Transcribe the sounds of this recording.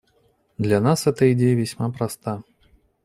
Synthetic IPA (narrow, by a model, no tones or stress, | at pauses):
d̪lʲɐnasɣɛt̪ɐidʲejɐvʲasʲmapɾast̪a